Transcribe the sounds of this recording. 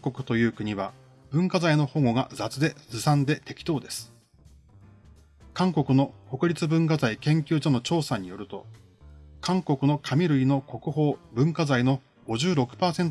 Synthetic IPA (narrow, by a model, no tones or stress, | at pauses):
ko̞kɯ̟̥t̪o̞jɯ̟ːkɯ̟ɲ̟iβa | b̥ɯ̟̃ŋkazaino̞ho̞ŋo̞ɡa̰zat͡sɨd̪e̞zɨsãnd̪e̞t̪e̞kʲi̥t̪o̞ːd̪e̞sɨ̥ | kãŋko̞kɯ̟no̞ko̞kɯ̟ɾʲit͡sɨbɯ̟̃ŋkazaikẽ̞ŋkʲɨːʑo̞no̞t͡ɕo̞ːsaɲ̟ijo̞ɾɯ̟t̪o̞̰ | kãŋko̞kɯ̟no̞kʰamʲiɾɯ̟ino̞ko̞kɯ̟ɦo̞ːbɯ̟̃ŋkazaino̞ | ɡ̥o̞ʑɨːɾo̞kɯ̟̥paːsẽ̞nt